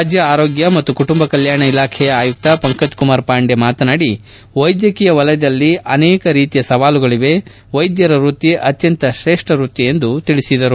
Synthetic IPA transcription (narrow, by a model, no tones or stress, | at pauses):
ad͡ʒjɐaːɾo̞ːɡjɐmɐt̪ːukuʈumbɐkɐljaːɳɐilaːkʰɛjɐaːjuk̚t̪ɐpɐŋkɐd͡ʒkumaːɾpaːɳɖemaːt̪ɐnaːɽi | ʋɐjd̪jɐkijɐʋɐlɐjɐd̪ɐlːiɐnɛːkɐɾiːt̪ijɐsɐʋaːluɡɐɭiʋe̞ | ʋɐjd̪jɐɾɐɾuːt̪iʔɐt̪jɐnt̪ɐʃɾeːʂʈɐɾuːt̪ːijend̪ut̪iɭisid̪ɐɾu